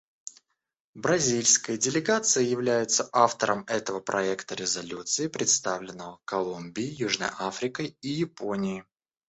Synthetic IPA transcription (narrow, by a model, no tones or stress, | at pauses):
bɾɐzʲilʲskəjədʲɪlʲɪɡat̪sɨjəjɪvlʲæjɪt̪səʔaft̪əɾʔəmɛt̪əvəpɾʔɐɛkt̪əɾʲɪzɐlʲut̪sɨɪpɾʲɪt̪st̪avlʲɪnːəvəkɐlˠumbʲɪɪjuʐnə̰jafɾʲɪkəijɪponʲɪjɪ